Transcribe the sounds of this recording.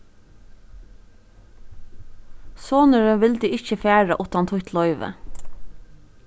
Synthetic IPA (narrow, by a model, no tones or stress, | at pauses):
soːnəɹəʋɪld̪iːɪçəfæːɹɑʔuːt̪ɑnt̪hʊçt̪ʰlɔʏʋə̰